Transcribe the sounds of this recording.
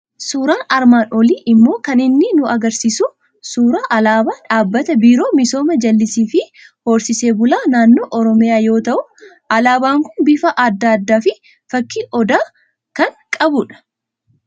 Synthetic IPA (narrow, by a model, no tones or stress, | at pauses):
suːɾaːnɐɾmaːnʔɔliːʔɪmːo̞ːkɐnɪnːɪnʊɐɡɐɾsisʊ | suːɾaːʔɐlaːbaːᶑaːbːɐt̪ɐbiːɾo̞ːmɪso̞ːmɐd͡ʒɐlːɪsiːfɪho̞ːɾsɪseːbʊlaːnaːnːo̞ːʔɔɾɔmɪjaːjo̞ːt̪ɐʔʊ | ʔɐlaːbaːŋkʊnbɪfɐʔɐd̪ːaːɐd̪ːaːfɪ | fɐkːiːʔɔd̪aː | kɐŋkʼɐbʊᶑɐ̥